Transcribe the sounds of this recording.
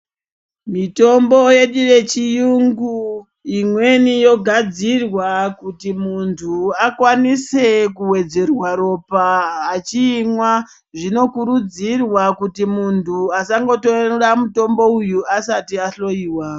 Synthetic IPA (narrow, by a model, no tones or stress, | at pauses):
mito̞mbo̞je̞ɗire̞t͡ʃijuŋɡu | imwe̞nijo̞ɡʱad͡zirwakutimuntʰuakwanise̞kuwe̞d͡ze̞rwaɾo̞paat͡ʃiːmwa | ʐino̞kuɾud͡zirwakutimuntʰuasaŋɡo̞toramuto̞mbo̞ujuasatiaɬo̞iːwa